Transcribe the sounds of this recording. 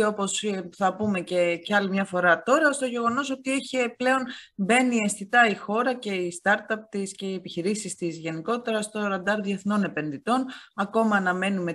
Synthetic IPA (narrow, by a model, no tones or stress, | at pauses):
o̞po̞sθɐpume̞ceceɐlimɲɐfo̞ɾɐt̪o̞ɾɐost̪oʝe̞ɣo̞no̞so̞t̪ieçeple̞o̞nbe̞niesθit̪ɐixo̞ɾɐce̞ist̪ɐɾt̪ɐp̚t̪isce̞iepiçiɾisist̪izʝe̞niko̞t̪e̞ɾɐst̪o̞ɾɐnd̪ɐɾðie̞θno̞ne̞pe̞nðit̪o̞nɐko̞mɐːnɐme̞nume̞